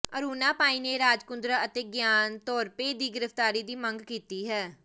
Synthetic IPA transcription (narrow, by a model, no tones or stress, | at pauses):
əɾuːnaːpaːiːneːɾaːd͡ʒkʊnd̪ɾəət̪eːɡjaːnt̪ɔːɾpeːd̪iːɡɪɾəfʰt̪aːɾiːd̪iːməŋɡkiːt̪iːɦɛː